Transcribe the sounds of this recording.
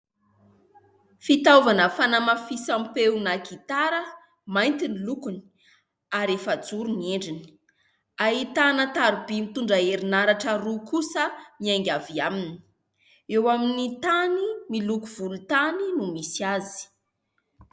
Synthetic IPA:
fit̪avanəfanamafisampewnakit̪aɾə | majnt̪inilukuni̥ | aɾefəd͡zuɾunieɳɖ͡ʐini̥ | aɦit̪anət̪aɾibimit̪uɳɖ͡ʐaeɾinaɾaʈ͡ʂəɾukusəmiajŋɡʲaviaminii̥ | ewaminit̪animilukuv̥ulut̪aninumisiazi̥

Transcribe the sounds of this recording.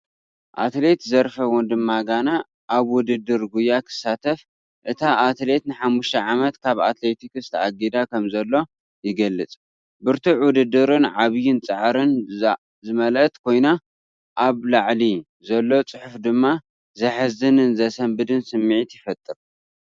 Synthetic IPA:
ʔat̪le̞t̪zɐɾfɐwɔnd̪ɨmːaɡana | ʔaβwʊd̪ɨd̪ːɨɾɡujːakʰɨ̥sːat̪ʰɐf | ʔɨt̪ʰaʔat̪le̞t̪nɨħamːuʃt̪ʰɐʕamɐt̪kʰaβa̰t̪le̞t̪ʰikɨst̪ʰa̰ɡid̪akʰɐmzɐlːo̞ | jɪɡɐlːɨt͡sʼ | bɨɾt̪ʰɨʕwʊd̪ɨd̪ːɨɾɨnʕaβɨjɪnt͡sʼɨʕɾɨn | zɨmɐlɐt̪ʼkʰo̞jna | ʔaβlaʕli | zɐlːo̞t͡sʼɨħʊfd̪ɨmːa | zɐħɨzɨnɨnzɐsɐmbɨd̪ɨnsɨmːiʕit̪jɪfɐt̪ʼːɨɾ

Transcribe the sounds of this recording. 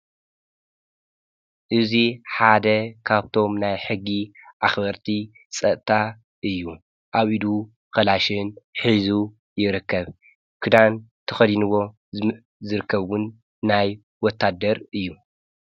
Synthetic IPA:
ʔɨziħad̪ɐkʰaβt̪ʰo̞mnajħɨɡːiʔaxbɐɾt̪ʰi | sʼɐʔt̪ʰa | ʔɨjːu | ʔaβid̪u | kɐlaʃɨnħizu | jɪɾɨkːɐβ | kʰɨd̪ant̪ʰɐxɐd̪inɨwo̞ | zɨɾɨkːɐβunː | aj | wɔt̪ʰːad̪ːɐɾɨjːu

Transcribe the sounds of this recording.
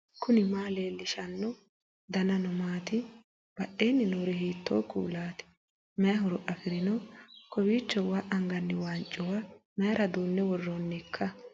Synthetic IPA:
kʰʊnɪmaːleːlːɪʃɐnːɔ | d̪ɐnɐnɔmaːt̪ɪ | b̥ɐʔeːnːɪnoɾɛhiːt̪ʰːo̰ːkṵːlaːt̪ɪ̥ | mɛjɐɦʊɾɔʔɐfɪɾɪnɔkɔbiːt͡ʃːɔwaʔɐŋɡɐnːɪwaːnt͡ʃʼːɔwamɛjɐɾɐd̪oːnːɛwɔrːonːɪkʰːɐ

